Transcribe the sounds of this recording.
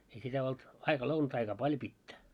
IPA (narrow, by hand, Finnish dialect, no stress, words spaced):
ei sitæ olt ɑikɑ lounɑtɑikɑː pɑljo pitːæ